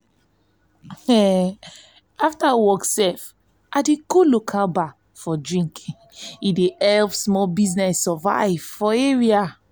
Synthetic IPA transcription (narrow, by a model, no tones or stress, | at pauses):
aftawɔksɛf | ʔadeɡolokʰalba | fɔdɹĩŋk | ideɛlpsmɔlbiznɛsɔva̰ɪv̥fɔeɹia